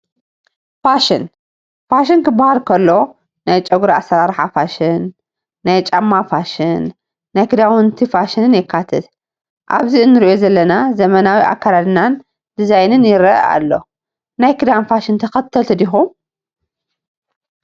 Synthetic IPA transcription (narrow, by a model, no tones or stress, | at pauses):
faʃɪn | faʃ̬ɪnkɨbahalkʰɐlːo̞ | najt͡ʃʼɐɡuɾasɐɾaɾħafaʃɪnː | ajt͡ʃʼamːafaʃɪnː | ajkɨd̪awɨnt̪ʰifaʃɨnɨnjɪkʰːat̪ʰɐt̪ | ʔa̰βziɨnːɨɾiʔozɐlːɐnazɐmɐnawiʔa̰kːaɾad̪nan | d̪̥ɨzajnɨnjɪɾɐ̰a̰lːo̞̰ | najkɨd̪anfaʃɨnt̪ʰɐxɐt̪ʰːɐlt̪ʰɨd̪ixum